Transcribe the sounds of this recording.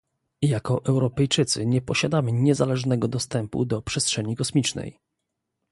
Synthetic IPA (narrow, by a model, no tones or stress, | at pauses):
jakɔʔɛwɾɔpɛjt͡ʂɘt̪sɘɲɛpɔɕad̪amɘɲɛzalɛʐnɛɡɔd̪ɔst̪ɛmpṵd̪ɔpʂɛstʂɛɲikɔsmʲit͡ʂnɛ̰j